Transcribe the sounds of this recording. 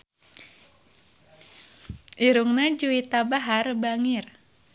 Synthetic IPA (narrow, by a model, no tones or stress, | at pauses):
ʔiɾuŋnad͡ʒuit̪abaɦarbaŋir